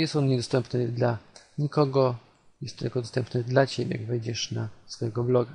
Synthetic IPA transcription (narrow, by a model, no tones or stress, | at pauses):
jɛst̪ɔnɲɛd̪ɔst̪ɛmpnɘd̪la | ɲikɔɡɔ | jɛst̪ːɪ̰lkɔd̪ɔst̪ɛmpnɘd̪lat͡ɕebʲjɛ̰jaɡvɛjd͡ʑɛʂnasfɔjɛɡɔblɔɡa